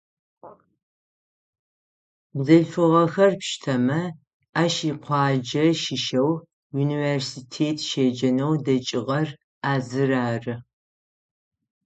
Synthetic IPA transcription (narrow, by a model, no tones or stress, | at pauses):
bzɐɮfɨʁɐxɐrpʃtʰɐmɐ | aːʃiːqʷɑːd͡ʒɐʃɪʃɐw | juniversitʰeːtʰʃeːd͡ʒɐnɐwdɐt͡ʃʼɪʁɐr | aːzɨraːrɨ